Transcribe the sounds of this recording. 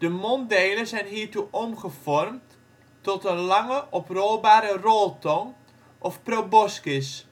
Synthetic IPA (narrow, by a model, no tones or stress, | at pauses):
d̥əmɔndeːləzɛjnɦiːɹtuʔɔmχəfɔrmt | tɔtənlɑŋəʔɔproːbaːɾərɔlˠtɔŋ | ʔɔfprobɔskɪs